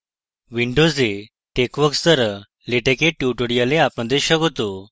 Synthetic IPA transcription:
ʋiɳɖod͡ze | ʈekʋəkst̪əɾə | leʈekeʈjuʈoɽijaleapməd̪ʱeɕəɡot̪o

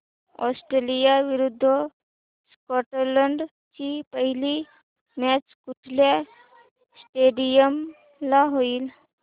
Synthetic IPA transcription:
ɔ̰sʈɾelijaʋiɾud̪ʱːə | skɔʈələɳɖ | t͡ɕipəɦili | mat͡skuʈʰlja | sʈeɽijəm | laɦoiːl

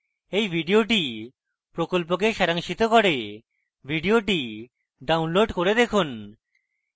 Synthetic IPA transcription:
ejbʱiɖioʈi | pɾokolp̬ok̬eʃɛɾaŋʃit̪okoɾe | bʱiɖioʈi | ɖawnloɖkoɾed̪ekʰun

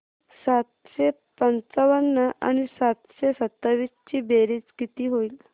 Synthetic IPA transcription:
sat̪ | ɕe | pənt͡səʋənːəʔa̰ñisat̪ɕesət̪ːaʋist͡ɕiːbeɾiːt͡sɡit̪iːɦoiːl

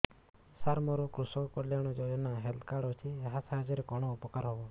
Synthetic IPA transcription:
saɾmɔɾɔkɾusɔkɔkɔljaɽ̃ɔd͡ʒojɔnaɦelt̪ʰkaɽut͡ʃʰieɦasaɦad͡ʒɔɾekɔɽ̃ɔupɔkaɾɦɔbɔ

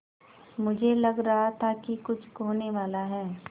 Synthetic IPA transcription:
mʊd͡ʒʱelɐɡɾɐɦat̪ʰakikʊt͡ʃʰkoːneʋaːlaɦɛː

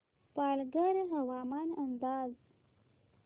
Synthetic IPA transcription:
pɑlɡaɾeɦawɑːmɑnand̪ɑːz

